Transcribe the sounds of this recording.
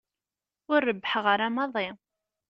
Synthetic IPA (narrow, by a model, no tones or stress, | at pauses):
ʊrːəbːħəʁəɾamɑðˤi